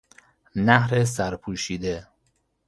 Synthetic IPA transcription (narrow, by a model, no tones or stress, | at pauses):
næhɾes̬æɾpʰuːʃiːd̪e